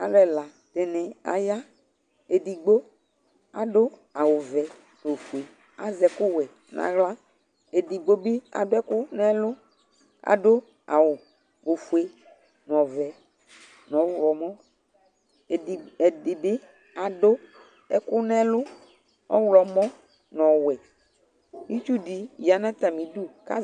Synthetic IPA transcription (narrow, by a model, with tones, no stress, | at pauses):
a˨lɛ˨la˨ | te˨ne˨a̰˨ja˦ | e˨di˨ɡ͡bo˦ | a̰˨dʊ˦a˨wʊ˨vɛ˨ | no˨fu˨e˨ | a˨zɛ˨kʊ˦wɛ˨ | nã̰˨ɣla˦ | e˨di˨ɡ͡bo˦bi˦a̰˨dʊ˦ɛ˦kʊ˦nɛ˦lʊ˦ | a̰˨dʊ˦ | a̰˨wʊ˨ | o˨fu˨e˦ | n˨ɔ̃˨vɛ˨ | nɔ̃˨˦wlɔ˨mɔ̃˦˨ | dɪ˨bɪ˦ | a˨dʊ˦ | ɛ˦kʊ˦nɛ˦lʊ˦ | ɔ̰˦wlɔ˨mɔ̃˦ | nɔ̃˨wɛ˨ | mĩ˦t͡ʃu˦di˨ja˨nã˦t̪a˨mĩ˨du˦ka̰˦